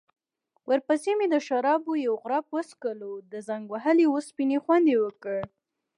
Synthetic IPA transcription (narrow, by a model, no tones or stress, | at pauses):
wʔəɾpəsemed̪əʃaɾɑbojawɣʊɾɑpwəskəlod̪əzaŋɡwaɦəliwospinexwand̪ewəkəɽ